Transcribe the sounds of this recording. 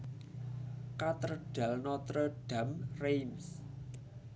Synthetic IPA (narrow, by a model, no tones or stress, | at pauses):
kat̪ərɖ̥ä̤lnɔt̪ɾɔɖ̥a̤mrejms